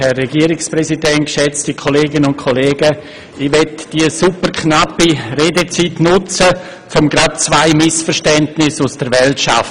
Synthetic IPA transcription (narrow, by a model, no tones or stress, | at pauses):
hɛrːɛɡiəɾɪksprɛsidɛntʃɛt͡stikʰoleːɡɪnəʊnt̚kʰoleːɡə | ɪʋɛtd̥isupəɾkʰnapireːdet͡sitnʊt͡sə | t͡sʊmɡɾat̚t͡svaɪmɪsfəɾʃtɛntnɪsusd̥əɾvɛltʃa̰ft